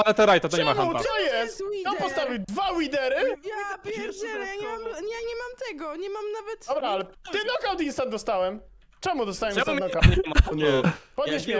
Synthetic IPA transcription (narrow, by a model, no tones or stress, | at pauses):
alɛt̪ɛɾajt̪at̪ɔɲɛmaasɔjɛst̪ɔpɔst̪avʲiwd̪vawid̪ɛɾɘpɛjaɲɛmamɲɛɲɛmamt̪ɛɡɔɲɛmamnavɛt̪ɔbɾaalɛt̪ɪnɔkawd̪inst̪ad̪ɔst̪awɛm | t͡ʂɛmud̪ɔst̪awɛmsɔkaɲmɔɛpɔd̪eɕ